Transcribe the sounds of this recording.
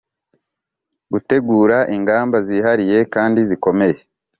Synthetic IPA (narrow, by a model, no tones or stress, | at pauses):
ɡute̞ɡuːɾaʔiŋɡaːmbaziɦaɾije̞kaːndiziko̞me̞je̞